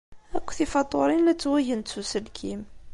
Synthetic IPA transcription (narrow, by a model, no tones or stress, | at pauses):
ækʷːθifɑt̪ˤːoɾˤinæt͡sːwæʝənt̪susəlkʰim